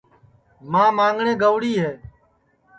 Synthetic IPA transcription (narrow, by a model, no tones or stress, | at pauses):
mãːmãːŋɡɳẽːɡəʋɽiːɦeː